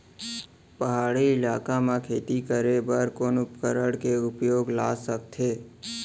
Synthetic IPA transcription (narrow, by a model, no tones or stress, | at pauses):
pəɦaːɽiɪlaːkamãkʰeːt̪ikəɾebəɾkoːnʊpkəɾəɽkeʊpjoːɡlaːsəkt̪ʰeː